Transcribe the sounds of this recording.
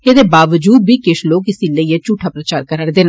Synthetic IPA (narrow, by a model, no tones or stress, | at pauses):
eːd̪eːbaːʋəd͡ʒuːd̪̚biːkɪʃloːkɪsĩːləieːt͡ʃuːʈʰːaːpɾət͡ʃaːɾkəɾəɽd̪eːna